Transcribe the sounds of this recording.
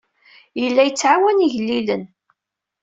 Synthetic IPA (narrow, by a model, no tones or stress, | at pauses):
jəlːæjət͡sːʕawæniʝəlːilən